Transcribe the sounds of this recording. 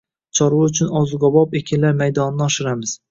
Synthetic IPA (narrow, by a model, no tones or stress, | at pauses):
t͡ʃʰɒɾwaʊt͡ʃʰʊnɒzʊɡɒbɒpekʲʰɪnlaɾmajd̪ɒnɪnɪɒʃɪɾamɪz̥